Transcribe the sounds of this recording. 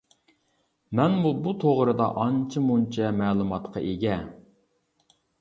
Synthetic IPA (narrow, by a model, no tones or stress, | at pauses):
mɛnbubut̪ʰoʁɾɨd̪ɑ̰ʔɑnt͡ʃʰɪmunt͡ʃʰɛmɛːlˠumɑt̪qʰɑʔeɡʲɛ